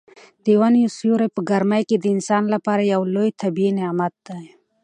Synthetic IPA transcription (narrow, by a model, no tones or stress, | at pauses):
d̪̥ewanjusjuɾajpəɡaɾmajked̪əɪnsɑnlapɑɾajawlojt̪ʰabiineamat̪̚d̪aj